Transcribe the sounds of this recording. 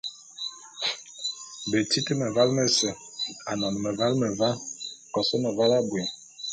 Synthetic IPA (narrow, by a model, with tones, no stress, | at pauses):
be˨ti˦ti˦mɛ˨va˦lmɛ˨sɛ˨a˨nɔ˨n˨mɛ˨va˦lmɛ˨va˦kɔ˨sɔ˦mɛ˨va˦la˦bwe˨